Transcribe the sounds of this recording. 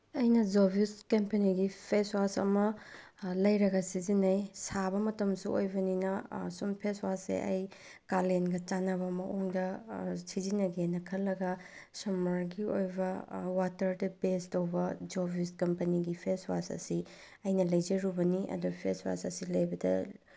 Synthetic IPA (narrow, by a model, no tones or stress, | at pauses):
ɐjnɐd͡ʒobiskɐmpɐniɡipʰeswasɐ̰mɐ | lɐjɾɐɡɐsizinɐjsabɐmɐtɐmsuʔojbɐninɐsunpʰeswasḛʔɐ̰j | kalenɡɐt͡ʃanɐβɐmɐʔoŋdɐsid͡ʒinɐɡenɐkʰɐlːɐɡɐsɐmɐɾɡiojbɐwatɐɾdɐbestowbɐd͡ʒobiskɐmpɐniɡipʰeswa̰sɐ̰si | ɐjnɐlɐjd͡ʒɐɾubɐniʔɐ̰dupʰeswa̰sɐsilɐjbɐdɐ̰